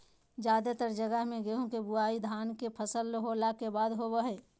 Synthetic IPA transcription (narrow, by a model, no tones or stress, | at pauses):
d͡ʒjaːd̪et̪əɾd͡ʒəɡəɦmẽɡeɦõkebuaːid̪ʱaːnkepʰəsəlɦoːlakebaːd̪ɦobəɦɛː